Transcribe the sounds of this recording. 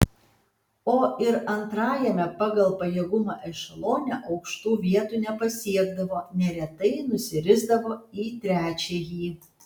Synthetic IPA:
oːʔɪɾɐnt̪ɾɑːjɛmʲɛpɑːɡɐlˠpɐjeːɡʊmɑːʔɛʃɐlˠoːnʲɛʔɐʊkʃt̪uːʋʲiɛt̪uːnʲɛpɐsʲiɛɡd̪ɐʋoːnʲɛɾʲɛt̪ɐɪnʊsʲɪɾʲɪzd̪ɐʋoːiːt̪ʲɾʲæːt͡ʃʲejiː

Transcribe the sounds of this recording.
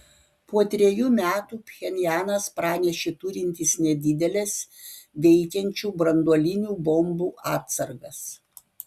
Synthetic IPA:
puɔt̪ʲɾʲɛjuːmʲæːt̪uːpʲxʲɛnʲjæːnɐspɾɑːnʲɛʃʲet̪ʊɾʲɪnʲt̪ʲɪsnʲɛd̪ʲɪd̪ʲɛlʲɛs | ʋʲɛɪkʲɛnʲt͡ʃʲuːbɾɐnd̪uɔlʲɪnʲuːbɔmbuːʔɑːtt̪sɐɾɡɐs

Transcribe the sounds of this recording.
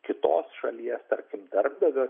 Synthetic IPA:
kʲɪt̪o̰ːsʃɐ̰lʲiɛst̪ɐɾʲkʲɪmd̪ʲɐrb̚d̪ɐʋʲo

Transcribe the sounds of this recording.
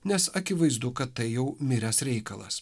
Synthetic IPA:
nʲɛsɐkʲɪʋɐɪzd̪ʊkɐt̪ːɐɪjɛʊmʲɪɾʲɛsɾʲɛɪkɐlˠɐ̰s

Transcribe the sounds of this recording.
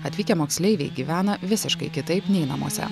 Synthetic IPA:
ɐt̪ʲʋʲiːkʲɛmoːksʲlʲɛɪʋʲeɪɡʲiːʋʲæːnɐʋʲɪsʲɪʃkɐɪkʲɪt̪ɐɪpnʲɛɪnɐmṵɔsʲɛ̰

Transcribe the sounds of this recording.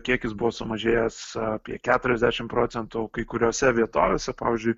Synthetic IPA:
kʲiɛkʲɪsbʊʋoːsʊmɐʒʲeːjɛsɐpʲiɛkʲæːt̪ʊɾʲɛzʲd̪ʲæːʃʲɪmpɾoːt̪sʲɛnt̪ukɐɪkʊɾʲoːsʲɛʋʲiɛt̪oːʋʲeːsʲɛpɑ̰ːʋʲɪzʲd͡ʒʲʊɪ

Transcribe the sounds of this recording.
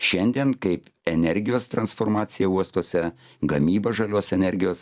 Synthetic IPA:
ʃʲɛnʲd̪ʲiɛnkɐɪpɛnʲɛɾʲɡʲɪjoːst̪ɾɐnsfoːɾmɑːt̪sʲɪjɛuɔst̪oːsʲɛ | ɡɐmʲiːbɐʒɐlʲoːsɛnʲɛɾʲɡʲɪjoːs

